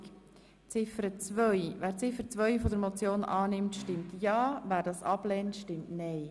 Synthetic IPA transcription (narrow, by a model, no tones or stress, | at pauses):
t͡sɪfəɾət͡svœʏvæːɾt͡sɪfəɾt͡sʋœʏfɔdəɾmɔt͡sjoːnʔɑːnɪmtʃtɪmtjɑːvæːɾdɑːsɑb̥lɛːntʃtɪmtnɛɪ